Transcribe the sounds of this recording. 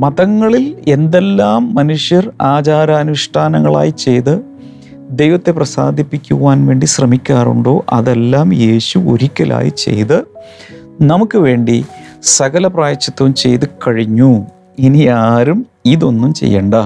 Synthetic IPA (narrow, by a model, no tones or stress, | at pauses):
mɐðɐŋːɐɭile̞nd̪e̞lːaːmːɐnuʂjɐraːt͡ɕaːɾɐːnuʂʈʰaːnɐŋːɐɭa̰ːjit͡ɕe̞jt̪ɨ | d̪e̞jʋɐt̪ːe̞prɐsa̰ːd̪ʱipːikʲːuʋaːnʋe̞ːɳɖiɕrɐmikʲːaːrṵɳɖo̞ːʔɐðelːaːmje̞ːɕuo̰ɾikʲːɐlʔa̰ːjḭt͡ɕe̞̰jt̪ɨ | nɐmukːɨʋe̞ːɳɖisɐɣɐlɐpraːjɐt͡ɕːɐt̪ːɐʋumt͡ɕe̞̰jt̪ɨkɐɻiɲːu | iniaːɾum | iðo̞nːumt͡ɕe̞̰jːɐ̰ɳɖɐ